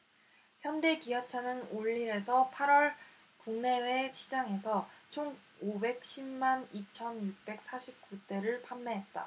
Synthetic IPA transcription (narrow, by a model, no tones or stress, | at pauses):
çjʌnde̞kiat͡ɕʰanɯnoʎːiɾe̞sʰʌpʰaɾwʌɭ | kuŋne̞we̞t͡ɕʰid͡ʑaŋe̞sʰʌt͡ɕʰoŋ | obe̞k̚ɕʰimmanit͡ɕʰʌnjuk̚p͈e̞k̚s͈aɕʰip̚k͈ut͈e̞ɾɯɭpʰamːeɦe̞t̚t͈a̰